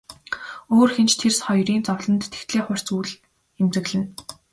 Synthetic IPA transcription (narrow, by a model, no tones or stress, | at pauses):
oːrxent͡ɕt̪ʰersχɔjriːnt͡sɔwɮɞ̆nt̪ʰːe̥xt̪ɮeːχʊr̥ʲt͡suːɮ | emt͡sɘ̆ɣɮɘ̆n